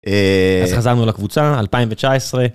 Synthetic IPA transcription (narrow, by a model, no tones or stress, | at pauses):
eazχazaʁnualakvut͡saalpaĩmvet͡ʃaesʁe̞